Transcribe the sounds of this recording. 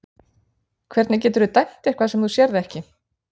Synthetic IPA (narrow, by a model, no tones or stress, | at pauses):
kʰvɛɾt̪nɪc̬ɛːt̪ʏɾðʏt̪ajn̥t̪ɛ̥kʰvaðsɛmθusjɛɾðɪɛhcɪ